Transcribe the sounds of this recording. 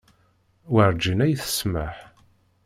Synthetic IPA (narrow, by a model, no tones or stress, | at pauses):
wəɾd͡ʒinæjθə̥sməħ